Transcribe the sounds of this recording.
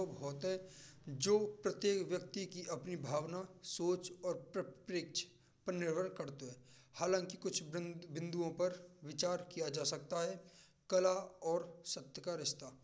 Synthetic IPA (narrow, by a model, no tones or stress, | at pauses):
obʱɦɔːt̪ɦɛ̃d͡ʒoːpɾɐt̪jeːkʋjək̚t̪ikiʔɐpnibʱaːʋnasoːt͡ʃɔːɾpɾəpɾɪkt͡ʃ | pɐɾnɪɾʋəɾnkɐɾt̪oɦɛ̃haːlãːŋkikʊt͡ʃʰbɪ̃nd̪uõpɐɾʋɪt͡ʃaːɾkijad͡ʒaːsɐk̚t̪aɦɛ | kɐlaɔːɾsɐt̪jəkaɾɪʃt̪aː